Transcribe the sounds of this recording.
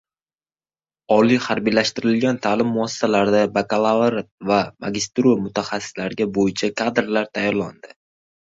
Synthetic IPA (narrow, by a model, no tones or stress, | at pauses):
ɒlijhaɾbijlaʃt̪ɪɾɪlɡʲant̪ʰalɪmːʊɒsḁsalaɾd̪abakʰalˠavɾvama̰ɡʲɪst̪ɾumʊt̪ʰaχasːɪ̥slaɾɪɡʲabojɪt͡ʃʰakʰad̪ɾlaɾt̪ʰajɒɾland̪ɪ